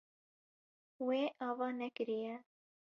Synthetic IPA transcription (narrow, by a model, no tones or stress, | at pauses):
weːʔɑːwɑːnɛkɨɾijɛ